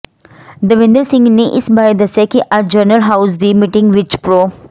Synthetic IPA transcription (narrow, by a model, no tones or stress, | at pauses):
d̪əʋɪ̃nd̪əɾsɪ̃ŋɡneʔɪsbaːɾed̪ɐsekiʔad͡ʒəɾnəlɦaʊzd̪imiʈɪ̃ŋɡʋɪt͡ʃpɾoː